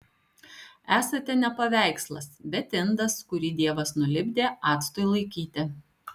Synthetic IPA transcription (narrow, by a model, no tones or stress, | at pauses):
æːsɐt̪ʲɛnʲɛpɐʋʲæˑɪkslˠɐ̰sbʲɛt̪ʲɪnd̪ɐskʊɾʲiːd̪ʲiɛʋɐsnʊlʲɪbʲd̪ʲeːɑːt̪st̪ojlˠɐɪkʲiːt̪ʲɪ